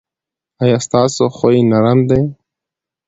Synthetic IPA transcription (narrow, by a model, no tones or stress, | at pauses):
ɑjɑːst̪ɑːsoxojinaɾamd̪aj